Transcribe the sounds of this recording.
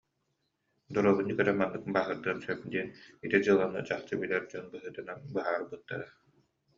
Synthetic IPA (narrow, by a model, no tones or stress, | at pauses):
d̪uɾɔβunːikœɾɛmanːɯk̚baːɦɯɾd̪ɯːnsœp̚d̪iɛnit̪id͡ʑɯlˠanːɯ̰d͡ʑaχt͡ɕɯbilʲɛɾd͡ʑɔnbɯɦɯːt̪ɯnabɯɦaːɾbɯt̪ːa̰ɾa